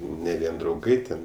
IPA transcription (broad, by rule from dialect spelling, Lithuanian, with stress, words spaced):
nʲɛ ˈʋʲiɛn drɐʊˈɡɐɪ tʲɛn